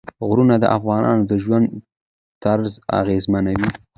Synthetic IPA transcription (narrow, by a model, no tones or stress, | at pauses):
ɣɾunad̪ə̰ʔafɣɑnɑ̰nod̪əʒwand̪ | t̪aɾza̰ɣezmanawi